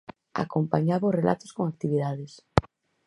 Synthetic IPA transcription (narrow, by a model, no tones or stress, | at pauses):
a̰kompaɲaβorelʔa̰t̪oskoŋak̚t̪iβið̞aðes